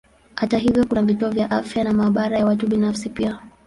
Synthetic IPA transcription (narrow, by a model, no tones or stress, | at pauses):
hataɦivjɔkunavituɔvjaʔafjanamaːɓaɾajawatuɓinafsipia